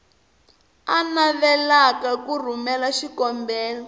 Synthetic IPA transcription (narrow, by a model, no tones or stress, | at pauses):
anaβɛlakakur̤umɛlaʃikɔmbɛːlɔ